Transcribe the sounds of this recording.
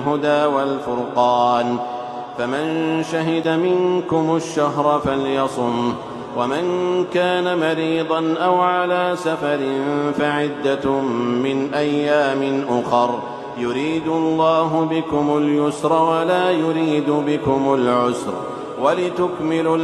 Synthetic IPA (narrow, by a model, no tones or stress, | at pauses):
ɦʊd̪aːwalfʊɾqɑːn | famanʃaɦɪd̪amɪŋkʊmʊʃːaɦɾˤfaljɑsˤʊm | wamankaːnamɑɾiːd̪ˤɑnʔawʕalaːsafɑɾɪnfaʕɪd̪ːamɪnʔajːaːmɪnʔʊxɑɾˤ | jʊɾiːd̪ʊlˤːɑːɦʊbɪkʊmʊljʊsɾˤɑwalaːjʊɾiːd̪ʊbɪkʊmʊlʕʊsɾ | walɪt̪ʊkmɪl